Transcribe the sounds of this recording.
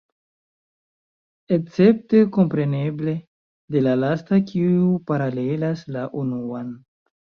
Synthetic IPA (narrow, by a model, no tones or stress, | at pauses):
ek̚t͡se̞p̚te̞ko̞mpɾe̞ne̞ble̞ | de̞lalastakʰiupaɾale̞laslaʔunuan